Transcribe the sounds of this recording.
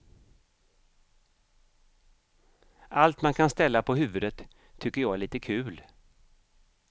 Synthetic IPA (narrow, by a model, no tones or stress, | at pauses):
ʔalt̪mankʰanst̪ɛlːapʰɔɦʉ̟ːvɵd̪ət̪ʰː | ʏkːəjɑːɡæɭiːt̪əkʰʉ̟ːl